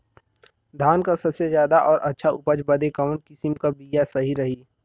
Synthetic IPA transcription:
d̪ʱaːnkasɐbsezjaːd̪aʔɔːɾʔɐtːʃʰaʔʊpəd͡ʒbəd̪ekɐʋənkɪsɪmkabijasɐɦiɾɐɦiː

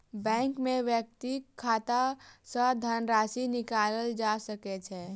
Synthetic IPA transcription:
bɛ̃ːŋkmẽʋjək̚t̪ikʰːaːt̪asə̃d̪ʱənɾaːsinɪkaːləld͡ʒasəkɛt͡ʃʰɛ

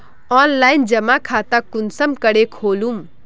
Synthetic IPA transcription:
ɔːnlaːjnd͡ʒəmakʰaːt̪akunsəmkəɽekʰoːlum

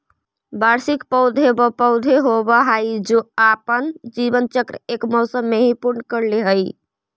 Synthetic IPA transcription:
baɾsikpəʊd̪ʱɦebɔpəʊd̪ʱeɦobɔɦajd͡ʒoapənd͡ʒibənt͡ʃəkɾəekmɔʊsəmːeɦĩpuɾnəkəɾleɦəj

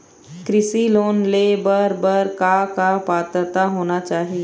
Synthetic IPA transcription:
kɾɪsiloːnlebəɾbəɾkakapaːt̪ɾət̪aɦoːnat͡ʃaːɦie

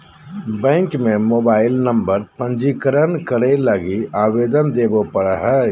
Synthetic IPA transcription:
bɛ̃ːŋkmẽmoːbaːɪlnə̃mbəɾpə̃ɲd͡ʒikəɾənkəɾeləɡiaːweːd̪ənd̪eːbopəɽəɦɛː

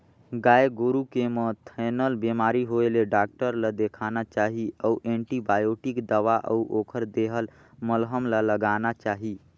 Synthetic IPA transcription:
ɡaeɡoɾukemə̃t̪ʰɛnəlbemaɾiɦoeleɖaːk̚ʈəɾlad̪ekʰanat͡ʃaɦiəuʔẽɳʈibajoʈikd̪əʋaʔə̰uʔokʰəɾd̪eɦəl | məlɦəmlaləɡanat͡ʃaːɦi

